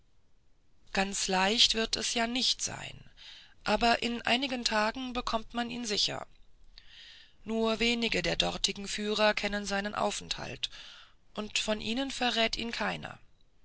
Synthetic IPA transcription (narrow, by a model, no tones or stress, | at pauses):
ɡ̥ant͡slaɪçtv̥ɪɐtɛsjaːnɪçtz̥a̰ɪnʔaːbɐʔɪnʔa̰ɪnɪɡəntʰaːɡŋ̩bəkʰɔmtmaniːnzɪçɐ̰ | nuːɐveːnɪɡədeːɐdɔʁtʰɪɡŋ̩fyːʁɐkʰɛnənzaɪnənʔa̰ʊfɛntha̰ltʔʊntfɔnʔiːnənfɛɐʁɛːtiːnkʰaɪnɐ̰